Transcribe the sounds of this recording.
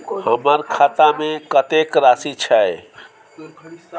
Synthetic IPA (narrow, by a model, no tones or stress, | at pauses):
həmaɾkʰaːt̪amẽkət̪ekɾaːsit͡ʃʰae